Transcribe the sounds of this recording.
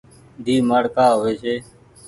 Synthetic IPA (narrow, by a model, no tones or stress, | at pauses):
d̪ʱiːmaːɽkaːɦoːʋeːsʰeː